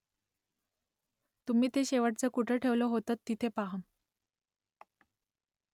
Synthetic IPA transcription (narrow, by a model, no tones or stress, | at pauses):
t̪umiːt̪eɕeʋəʈ̚t͡səkuʈʰəʈʰeʋləɦot̪at̪ːit̪ʰepaɦən